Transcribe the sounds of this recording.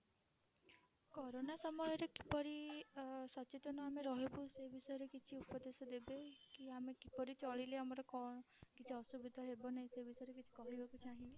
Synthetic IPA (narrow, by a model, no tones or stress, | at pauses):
kɔɾonasɔmɔjɔɾekipɔɾi | sɔt͡ʃit̪ɔnɔameɾɔɦibusebʱisɔjɔɾekit͡ʃʰiupɔd̪esɔd̪ebekiamekipɔɾit͡ʃɔɭileamɔɾɔkɔɳɔ | kit͡ʃʰiɔsubid̪ʱɔɦebɔnaĩsebʱisɔjɔɾek̬it͡ʃʰi̥kɔɦibakut͡ʃʰaɦĩ